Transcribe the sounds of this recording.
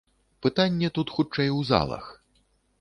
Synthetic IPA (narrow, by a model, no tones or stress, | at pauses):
pɨt̪anʲːɛt̪ut̪xut͡ʂɛjwza̰lˠɐ̰x